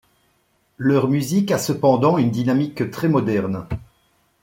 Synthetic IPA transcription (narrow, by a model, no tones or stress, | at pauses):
lœʁmyzikasəpɑ̃d̪ɑ̃ynd̪inamikt̪χɛmɔd̪ɛʁn